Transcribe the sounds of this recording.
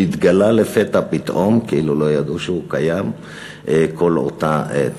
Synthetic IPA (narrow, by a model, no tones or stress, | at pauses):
it̪ɡalalefet̪apit̪ʔo̞mkeilulo̞jad̪uʃeukajam | ʔeko̞lo̰t̪ae